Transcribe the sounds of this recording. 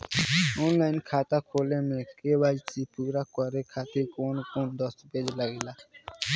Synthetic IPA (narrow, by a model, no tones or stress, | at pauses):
oːnlaːnkʰaːt̪akʰoːlemẽkewaːit͡ʃipuːɾakɔɾekʰaːt̪ekoːnkoːnd̪ɔsbed͡ʒləɡilaː